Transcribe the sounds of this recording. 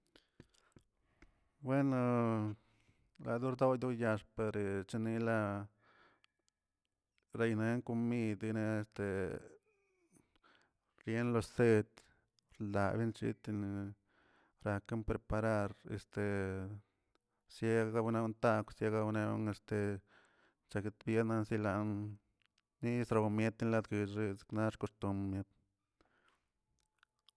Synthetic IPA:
bwe˦no˧ | la˧d̪u˦ɾd̪o˦d̪u˦ja˧ʂpe˧ɾe˨t͡ʃa˦ni˧la˧ | ɾe˧jne˧˦ŋku˧mi˧d̪i˧ne˧e˧st̪e˨ | ɾje˦nlo˧se˦˧t̪ | ɾla˧bi˦nt͡ʃḭ˧˦t̪i˧n˧ | ɾa˧ke˦mpɾe˧pa˧ɾa˦˧ɾḛ˨st̪e˨ | sje˧ɡa˧bne˧˦nt̪a˧ksje˧ɡa˧bne˧o̰˧˦ŋe˧st̪e˨ | t͡ʃa˧ke˧t̪bje˦na˧nsi˧la˧nː | i˦˧sɾa˧mje˦t̪i˦nla˧d̪ɡi˧˨ʐi˧skna˦ʂko˧st̪u˧mmje˧˦t̪

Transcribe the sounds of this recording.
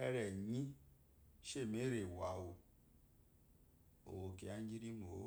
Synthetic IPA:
e˦ɾe˨ɲĩ˦ | ʃe˦˨me˦ɾe˨wa˨wo˨ | o̰˨wo˨ke˨a˦ɲ˦d͡ʒi˦ɾi˦mo˨˦

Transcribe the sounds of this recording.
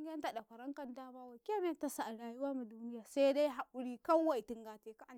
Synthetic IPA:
ɡɐ˦nta˨da˨kʷɐ˨ɾɐ˦ŋkɐ˦ntaː˦baː˦wa˨kʲe˦m˦˨tɐ˦sa˨ʔa˨ɽaː˨jʊ˦waː˦mu˨duː˦nɪ˦jaː˨sa˦da˦jɦa˨kʊ˦ɽiː˦kɐ˦ŋ˦wa˨jtɪ˦ŋɡaː˨teː˦ka˦ʔa˦˨

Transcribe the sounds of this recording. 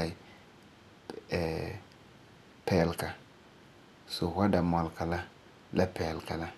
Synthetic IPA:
a˨i˨ | pɛ˨lka˨ | so˨wa˦da˨mɔ˨lka˨la˦ | la˦pɛ˨lka˨la˦

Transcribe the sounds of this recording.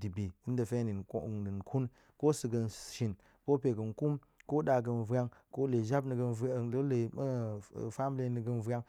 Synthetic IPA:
di˨bi˨i˦n˦də˨fe˦ni˨n˦˨ni˨nkʰu˦n | ko˦sɨ˨ɡə˨nʃi˨n | ko˦pe˨ɡə˨nku˦m | ko˦ɗa˨ɡə˧nvɾʲa˦ŋko˦le˨ʒa˦bnə˨ɡə˧n˨˦˨lle˨m˦˨fa˦m˦li˦nə˨ɡə˧nvʲa˦ŋ

